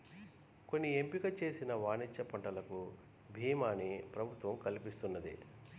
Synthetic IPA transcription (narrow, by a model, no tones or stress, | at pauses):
ko̞nːiempiɡɐt͡ʃe̞ːsinɐʋaːnit͡ʃːɐpɐɳʈɐlɐku | bʱiːmaːnipɾɐbʱut̪ʋɐmkɐlipist̪unːɐd̪ḭ